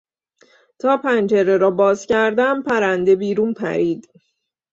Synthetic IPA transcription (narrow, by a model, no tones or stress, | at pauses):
t̪ʰɒːpʰænd͡ʒeɾe̞ɾɒːbɒːzcʰæɾd̪æmpʰæɾænd̪e̞biːɾuːnpʰæ̰ɾiːd̪